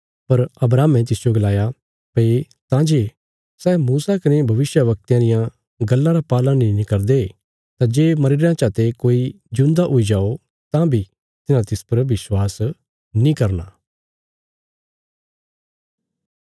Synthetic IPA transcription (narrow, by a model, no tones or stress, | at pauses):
pɐɾɐbɾaːmɛ̃t̪̬ɪsijoɡɐlaːja | pɐe | t̪ãd͡ʒeː | sɛːmuːsakɐnebʱɐʋɪsjəʋɐk̚t̪jãd̪ɪjã | ɡɐlːãɾapaːlãnĩnikɐɾd̪e | t̪ãd͡ʒeːmɐɾɪɾãt͡ʃaːt̪ekoːi | d͡ʒʊ̃nd̪aʔoid͡ʒaːo | t̪ãbʱi | t̪ɪnãt̪ɪspɐɾʋɪswaːs | nĩkɐɾna